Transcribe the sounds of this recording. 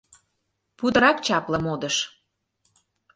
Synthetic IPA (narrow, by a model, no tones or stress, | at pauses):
pud̪ə̆ɾɑkt͡ɕɑplə̆mod̪əʃ